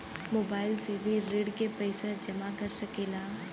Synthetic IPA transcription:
moːbaːɪlsebʱiɾeːɖkepɛɪsad͡ʒɐmakɐɾsɐkeːlaː

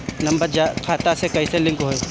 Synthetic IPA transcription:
nɐ̃mbəɾd͡ʒakʰaːt̪asekɐiselɪ̃ŋkɦoe

